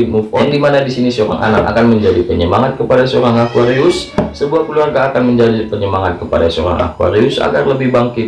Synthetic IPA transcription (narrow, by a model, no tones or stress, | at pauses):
mupɔŋdimanadisinisəoɾa̰ŋʔa̰naka̰kanməɲd͡ʒadipəɲəmaŋat̪̚kəpadasəoɾaŋakuaɾiʊssəbuahkəluarɡaːkanməɲd͡ʒadipəɲəmaŋat̪̚kəpadasəoɾa̰ŋʔa̰kua̰ɾiʊsa̰ɡarləbɪhbaŋkɪt̪̚